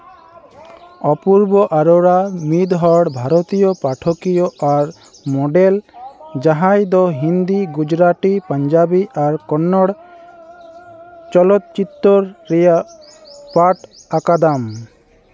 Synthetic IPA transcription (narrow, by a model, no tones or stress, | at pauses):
ɔpuɾbɔʔaɾɔɾamid̪ɦɔɽbʱaɾot̪ijopɾaʈʰokijɔʔaɾ | mɔɖeld͡ʒaɦãjd̪ɔɦind̪iɡud͡ʒɾaʈipaɲd͡ʒabiʔaɾkɔnːɔɽ | t͡ʃɔlɔt̪̚t͡ʃit̪ːɔɾːɛja | paʈakad̪am